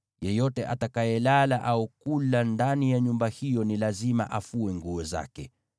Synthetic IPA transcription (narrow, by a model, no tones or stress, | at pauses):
jɛjɔtɛʔatakajɛlalaʔaukulandanijaɲumbahijɔnilazima̰ʔafuɛŋɡuɔza̰kɛ